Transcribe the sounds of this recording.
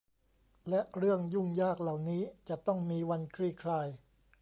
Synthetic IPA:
lɛ˦˥ʔɾɯ˥˩əŋju˥˩ŋjaː˥˩k̚la˨˩wniː˦˥t͡ɕa˨˩t̪ɔ˥˩ŋmiː˧wa˧nkʰɾiː˥˩kʰɾaː˧j

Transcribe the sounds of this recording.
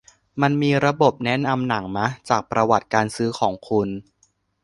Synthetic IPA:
ma˧nmiː˧ɾa˧bo˨˩p̚nɛ˦˥na˧mna˩˦ŋma˦˥t͡ɕaː˨˩k̚pɾa˧wa˨˩t̪̚kaː˧nsɯː˦˥kʰɔː˩˦ŋkʰu˧n

